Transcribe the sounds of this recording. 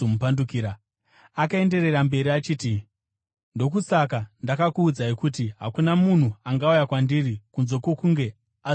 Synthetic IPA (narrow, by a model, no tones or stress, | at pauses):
mupandukiːɾa | akae̞nde̞re̞rambe̞ɾiat͡ʃiːti | ndo̞k̬usak̬andakakuːd͡zaikut̬iɦa̰kunamun̤uaŋɡaujakwandirikunzo̞kwo̞kuŋɡe̞ | a